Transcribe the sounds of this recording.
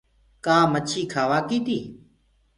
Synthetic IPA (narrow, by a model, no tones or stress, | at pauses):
kaːmət͡ʃʰiːkʰaːʋaːkiːt̪iː